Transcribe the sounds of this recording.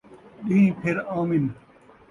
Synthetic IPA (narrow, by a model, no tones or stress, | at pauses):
ɗiĩːpʰeɾaːmin